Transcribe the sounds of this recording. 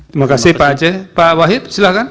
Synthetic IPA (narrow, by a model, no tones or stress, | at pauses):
t̪imakasihpad͡ʒɛpawaɦit̪silahkan